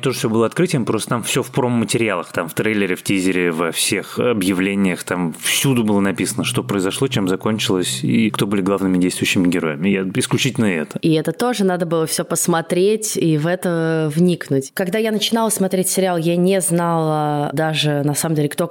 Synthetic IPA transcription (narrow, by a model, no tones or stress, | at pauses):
t̪oʐəfsʲoɨlˠəɐt̪kɾɨtʲɪjəmpɾost̪ət̪amfsʲofpɾo̞mːətʲɪɾʲɪalˠəxt̪amft̪ɾelʲːɪɾʲɪftʲizʲɪɾʲɪvɐfsʲe̞xɐbjɪvlʲenʲɪjəxt̪amfsʲud̪ʊbɨlˠənɐpʲisənəʂt̪o̞pɾəɪzɐʂlˠot͡ɕemzɐko̞nʲt͡ɕɪlˠəsʲḭkt̪o̞bɨlʲɪɡlˠavnɨmʲɪdʲejst̪vʊjʉɕːɪmʲɪɡʲɪɾo̞̰jɪmʲɪjaɪsklʲʉt͡ɕitʲɪlʲnəɛ̰t̪ə̥ɪɛt̪ət̪o̞ʐɨnad̪əbɨlˠəfsʲopəsmɐt̪ɾʲetʲivɛt̪əvnʲiknʊtʲkɐɡd̪ajanət͡ɕɪnalˠəsmɐt̪ɾʲetʲsʲɪɾʲɪalˠjanʲeznalˠəd̪aʐɨnɐsaməmdʲelʲɪkt̪o